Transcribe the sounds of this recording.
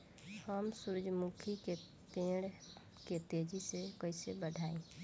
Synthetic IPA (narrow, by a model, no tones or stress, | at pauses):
həmsʊɾd͡ʒmukʰike | p̪ẽːɽ | ket̪ed͡ʒisekəɪsebəɖʱaːẽː